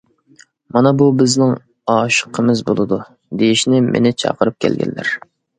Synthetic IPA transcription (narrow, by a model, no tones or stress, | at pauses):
mɑnɑbubɪznɪŋ | ɑːʃə̥qʰəmɪzbolˠɨd̪u | d̪ejiʃnɪmʔḛnɪt͡ʃʰɑ̰qəɾɨp̚kʲʰɛ̰lɡʲɛ̰nːɪ̰ɾ